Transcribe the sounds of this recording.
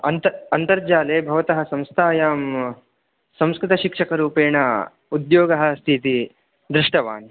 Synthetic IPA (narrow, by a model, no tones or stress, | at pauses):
ɐnt̪ɐɐnt̪ɐɾd͡ʒaːleːbʱɐʋɐt̪ɐɦɐsɐ̃mst̪ʰaːjaːm | sɐ̃mskɾɪt̪ɐʃikʂɐkɐɾuːpeːɳɐ | ud̪joːɡɐɦɐ̆st̪ʰit̪i | d̪ɾɪʂʈɐʋa̰ːn